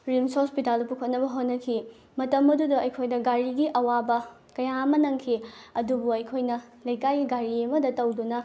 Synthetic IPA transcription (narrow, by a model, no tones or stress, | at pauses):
ɾimsospitalpukʰot̚nɐbɐɦot̚nɐkʰi | mɐtɐmːɐdudɐʔɐjkʰojnɐɡaɾiɡiʔɐwabɐ | kɐjaɐmɐnɐŋkʰiɐdubuɐjkʰojnɐ | lɐjkajɡiɡaɾiɐmɐdɐtɐwdunɐ